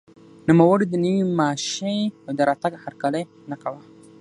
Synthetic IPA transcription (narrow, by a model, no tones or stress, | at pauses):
nəmawʊɽid̪ənəwimaʃeawd̪əɾat̪aɡhaɾkalaj | nakawa